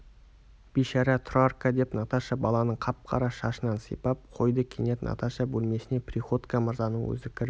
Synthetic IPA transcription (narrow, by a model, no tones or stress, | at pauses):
b̥ijʃɑɾɑt̪ʰrarkad̪e̞pnɑt̪ɑʃɑbɑlˠɑnəɴqʰɑp̚qʰɑ̰ɾɑʃɑʃənɑnsə̰jpɑp̚qʰo̞jd̪əkʲʰene̞t̪nɑ̰t̪aʃabɵlme̞sɪne̞prʲiχo̞t̪kaməɾzɑnəɴwɵ̰zɪkʲʰɪɾ